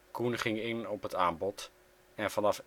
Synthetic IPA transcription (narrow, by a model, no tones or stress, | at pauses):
kunχɪŋɪnɔpɦətaːmbɔt | ɛnvɑnɑf